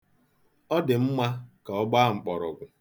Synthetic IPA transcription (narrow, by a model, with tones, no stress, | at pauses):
ɔ˦dɪ˨m̩˦ma˦ka˨ɔ˦ɡ͡ba˦ŋ͡m̩˨k͡pɔ˨ɾɔ˨ɡʷʊ˨